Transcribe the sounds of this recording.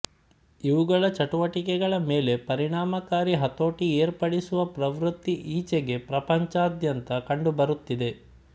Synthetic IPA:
iʋuɡɐɭɐt͡ʃɐʈuʋɐʈikɛɡɐɭɐme̞ːle̞pɐɾiɳaːmɐkaːɾiɦɐt̪o̞ːʈieːɾpɐɽisuʋɐpɾɐʋɾut̪ːiʔiːt͡ʃeɡe̞pɾɐpɐɲt͡ʃaːd̪jɐnt̪ɐkɐɳɖubɐɾut̪ːid̪e̞

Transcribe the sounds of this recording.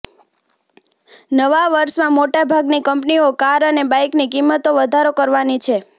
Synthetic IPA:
nəʋaʋəɾʃmãmoʈabʱaɡnikəmpniokaɾənebajknikimːət̪oʋəd̪ʱaɾokəɾʋanit͡ʃʰe

